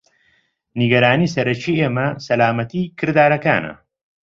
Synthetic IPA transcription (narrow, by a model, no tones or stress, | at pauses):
niɡɐɾaːniːsɐɾɐt͡ʃiːeːmɐsɐlaːmɐt̪ʰiːkʰɨɾd̪aːɾɐka̰ːnɐ̰